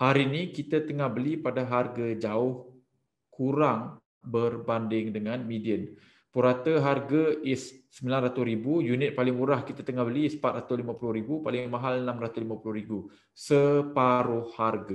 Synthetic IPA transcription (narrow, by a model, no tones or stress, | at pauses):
haɾinikit̪at̪əŋahbəlipadaɦarɡad͡ʒaʊh | kuɾaŋ | bərbandɪŋdəŋanmidiən | puɾat̪əɦarɡaɪssəmilanrat̪usɾibujunɪt̪̚palɪŋuɾahkit̪at̪əŋahbəlispat̪̚ɾat̪ʊlimãpulʊhɾibupalɪmaɦalənãmrat̪uslimãpulʊhɾibu | səpaɾʊhharɡa